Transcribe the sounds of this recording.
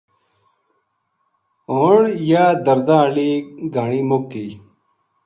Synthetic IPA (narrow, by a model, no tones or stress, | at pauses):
oːɳjaːd̪əɾd̪ãːliːɡʱaɳiːmokːiː